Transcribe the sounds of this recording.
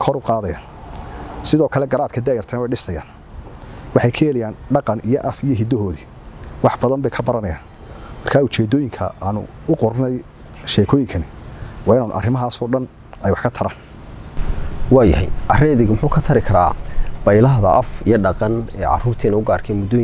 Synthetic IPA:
kʰɔɾʊqɑːðɐjaːn | sɪðɔːkʰɐlɛɡɐɾaːd̪kʰɐd̪aːjɛrt̪ʰɐnwɛjɖɪst̪ʰɐja̰ːn | wɑħɑjkʰɛɛlɛjaːnɖɑqɑnʔijɔʔɐfijɔɦɪd̪ɔɦɔːði | wɑħb̥ɐðɐmbɛjkʰɐbɐɾɐnɐjaːn | mɐrkʰaːʊt͡ʃɛːd̪ɔːjɪŋkʰɐ̰aːnʊ̰ | ʊqɔrnɛj | ʃɛːkʰɔːjɪŋkʰɐnɪwɑːɪnaːnʔɐ̰rɪmɐɦaːsɔːɖɐn | ɛjwɑħkʰɐt̪ʰɐɾaːn | wɑːjɐ̰hɛ̰jʔɐrɛːðɪɣmʊħuːkʰɐt̪ʰɐɾɪkʰɐɾa̰ːb̥ɐjlɐɦðɐʔɐfḭjɔɖɑqɑnɛ̰ːʕɑ̰ruːrt̪ʰɛːnɐʊɡaːrkʰɛmʊd̪oː

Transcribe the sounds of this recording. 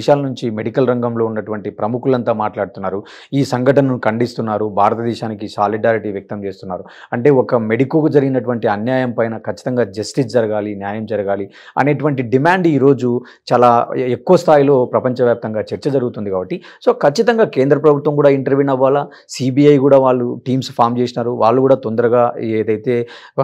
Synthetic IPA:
ʃaːlɐnuɲt͡ʃimeɽikɐlɾɐŋɡɐmlo̞ːunːɐʈuʋɐɳʈipɾɐmukulɐnt̪aːmaːʈlaːɽut̪unːaːɾu | iːsɐŋɡɐʈɐnɐmukɐɳɖist̪unːaːɾubʱaːɾɐt̪ɐd̪ɛːʃaːnikisaːliɖaːɾiʈiʋjɐk̚t̪ɐmt͡ʃe̞ːst̪unːa̰ːɾu | ɐɳʈe̞ːɔkɐme̞ɽikːɐkud͡ʒɐɾiɡinɐʈuʋɐɳʈiɐnjaːjɐmpɐjnɐkʰɐt͡ʃːi̥t̪ɐŋɡaːd͡ʒɐsʈisd͡ʒɐɾɐɡaːlinjaːjɐmd͡ʒɐɾɐɡaːli | ɐ̰ne̞ːʈuʋɐɳʈiɖimaːɳɖiːɾo̞ːd͡ʒu | t͡ʃaːlaːekːuʋɐst̪ʰaːjilo̞ːpɾɐpɐɲt͡ʃɐʋjaːp̚t̪ɐŋɡaːt͡ʃeɾt͡ʃɐd͡ʒɐɾuɡut̪und̪ikaːbɐʈːi | so̞ːkʰɐt͡ʃːit̪ɐŋɡaːke̞ːnd̪ɾɐpɾɐbʱut̪ʋɐmkuːɽaːiɳʈɐɾʋiːnɐʋːaːlɐ | siːbiːɐjkuːɽaːʋaːɭːuʈiːmspʰaːɾmt͡ʃesinaːɾuʋaːɭːɐkuːɽaːt̪ond̪ɐɾɐɡaːeːd̪ɐjt̪e̞ː

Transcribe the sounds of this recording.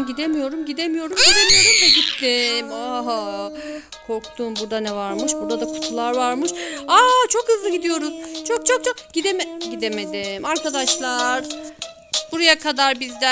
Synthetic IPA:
ɟid̪emijo̞ɾumɟid̪emijo̞ɾumed̪eneɾind̪ɛɟit̪ʰːimaɦa | kʰo̞ɾkt̪ʰumbuɾd̪anɛvaɾmɯʃbuɾd̪ad̪akʰu̥t̪ʰulˠaɾvaɾmɯʃat͡ʃʰo̞khɯzlˠɯɟid̪ijo̞ɾuzt͡ʃʰo̞k̚t͡ʃʰo̞k̚t͡ʃʰok̚ɟ̥id̪emeɟid̪e̞me̞d̪imaɾkad̪aʃlˠaɾ̥ | b̥uɾajakʰad̪aɾbizd̪ɛ

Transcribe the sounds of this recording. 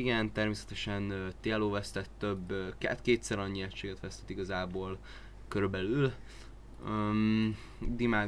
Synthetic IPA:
iɡɛnt̪ɛrmeːsɛ̥t̪ɛʃɛnt̪eɛloːvɛst̪ɛt̪ːøbkɛ̰t̪keːt̪sɛɾɒɲːiɛcʃːeːɡɛt̪ʋɛst̪ɛ̥t̪iɡɒzaːboːl | køɾybɛlyl | ø | d̪imaː

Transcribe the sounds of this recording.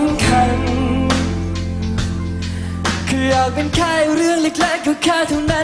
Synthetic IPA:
nkʰan | kʰɯːʔɔːk̚penkʰaːɾɯəŋlek̚lɛːk̚jukʰaːt̪ʰuna

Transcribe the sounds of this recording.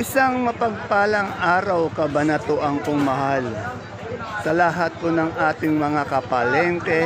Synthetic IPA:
ʔɪsaŋmɐpɐɡ̚paːlɐŋʔaːɾɐwkɐbɐnɐt̪ʊʔɐŋkoŋmɐɦal | sɐlɐɦat̪̚konɐŋʔaːt̪ɪŋmɐŋakɐpɐlɛnt̪ɛ

